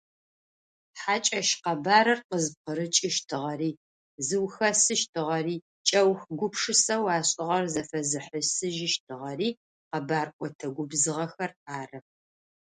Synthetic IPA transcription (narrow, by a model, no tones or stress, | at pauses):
ħaːt͡ʃʼɐʃqɐbaːɾɐrqəzp̚qəɾɨt͡ʃʼɪʃtʰɨʁɐriː | zɨwxɐsɨʃtʰɨʁɐriː | t͡ʃʼɐwxɡʷʊpʂɨsɐwaːɕʼɪʁɐrzɐfɐzɨħəsɨʒɪʃtʰɨʁɐriː | qɐbaːrkʷʼɔtʰɐɡʷʊbzɨʁɐxɐraːrɐ